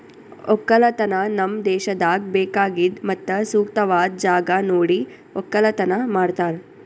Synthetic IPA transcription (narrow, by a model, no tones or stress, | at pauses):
okːɐlɐt̪ɐnanɐmd̪eːʃɐd̪aːk̚beːkaːɡid̪mɐt̪ːɐsuːkt̪ɐʋaːd̪̚d͡ʒaːɡanoːɽi | okːɐlɐt̪ɐnamaːɽt̪aːɾ